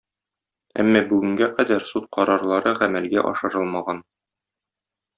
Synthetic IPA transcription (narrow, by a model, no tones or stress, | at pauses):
æ̰mːɒbʉɡɘ̆ŋɡæqæd̪æɾsut̪̚qɒɾɑɾlˠɑɾɤʁæmælɡæʔɒ̰ʃɤ̆ɾɤlˠmɑʁɑn